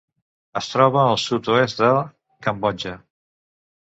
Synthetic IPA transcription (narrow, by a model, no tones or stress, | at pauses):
əst̪ɾɔβəːlˠsut̪uɛst̪̚d̪ə | kəmbɔd͡ʒə